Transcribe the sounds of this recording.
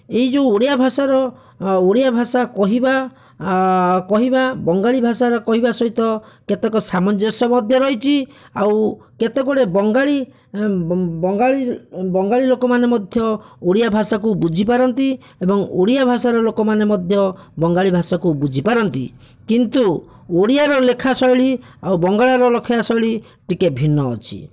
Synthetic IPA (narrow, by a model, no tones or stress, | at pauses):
eid͡ʒooɽijabʱasaɾɔ | oɽijabʱasakɔɦiba | kɔɦibabɔŋɡaɭibʱasaɾɔkɔɦibasɔɦit̪ɔket̪ekɔsamɔnd͡ʒɔsɔmɔd̪ʱjɔɾɔɦit͡ʃʰiawket̪ekɔɽebɔŋɡaɭi | ɔŋɡaɭibɔŋɡaɭilokɔmanemɔd̪ʱjɔoɽijabʱasakubud͡ʒʱipaɾɔnt̪i | ebɔŋoɽiabʱasaɾɔlokɔmanemɔd̪ʱjɔ | bɔŋɡaɭibʱasakubud͡ʒʱipaɾɔnt̪ḭ | kint̪u | oɽijaɾɔlekʰasɔjɭi | awbɔŋɡaɭaɾɔlɔkʰiasɔjɭi | ʈikebʱinːɔ̰ːt͡ʃʰḭ